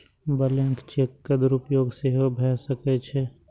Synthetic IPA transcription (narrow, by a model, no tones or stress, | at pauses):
bəlẽŋkt͡ʃekːɐd̪ɾupjoːɡseɦobʱɛsəket͡ʃʰɛ